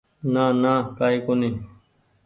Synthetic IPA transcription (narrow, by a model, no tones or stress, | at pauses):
naːnãːkaːiːkoniː